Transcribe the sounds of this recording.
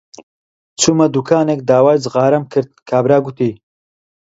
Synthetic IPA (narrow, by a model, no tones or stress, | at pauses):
t͡sʰumɐd̪ukʰaːnek̚d̪aːwaɾd͡zɨʁaːɾɐmkʰɨɾd̪̚kʰaːbɾaːɡut̪iː